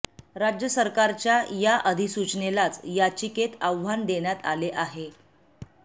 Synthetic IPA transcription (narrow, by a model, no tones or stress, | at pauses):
ɾad͡ʑjəsəɾkaɾt͡ɕjajaʔəd̪ʱisut͡ɕnelat͡sjat͡ɕiket̪aʋʋand̪eɳjat̪aleʔaɦe